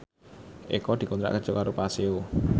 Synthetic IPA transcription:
ʔḛkɔd̪̥i̤kɔnt̪ɾa̰ʔkə̥ʒ̥ɔ̤kaɾopaseo

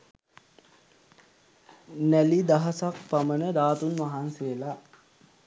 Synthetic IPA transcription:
nælid̪aɦasak̚pamənəd̪aːt̪unʋaɦansejəla

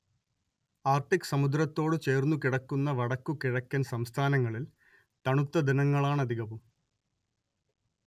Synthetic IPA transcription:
aːrʈikːɨ̥sɐmud̪ɾɐt̪ːo̞ːɽɨt͡ɕe̞ːrnːukiɽɐkːunːɐʋɐɽɐkːukiɻɐkʲːɐnsɐmst̪ʰaːnɐŋːɐɭil | t̪ɐɳut̪ːɐd̪inɐŋːɐɭaːɳɐd̪ʱiɣɐʋum

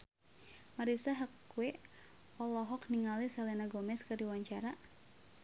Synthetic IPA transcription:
maɾisaɦəkwɛ | ɔlɔɦɔkniŋalisalɛnaɡɔmɛskərdiwaɲt͡ʃaɾa

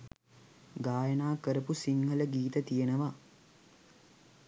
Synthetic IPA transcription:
ɡaːjənaːkəɾəpusiŋɦələɡiːt̪ət̪ijenəʋa

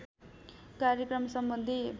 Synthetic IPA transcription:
kaɾjekrʌmsʌmbʌnd̪ʱibʱ

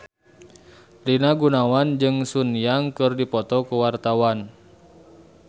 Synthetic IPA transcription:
linaɡunawand͡ʒɨŋsunijaŋkɨrdipɔt̪ɔkuwart̪awan

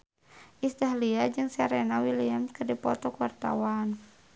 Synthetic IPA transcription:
ʔist̪aɦliad͡ʒɨŋsaɾɛnawiliamskərdipɔt̪ɔkuwart̪a̰wan

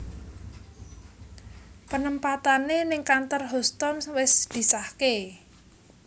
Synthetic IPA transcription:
pənəmpat̪anenɪŋkant̪ɔrɦɔst̪ɔnwɪsd̪̥i̤sahke

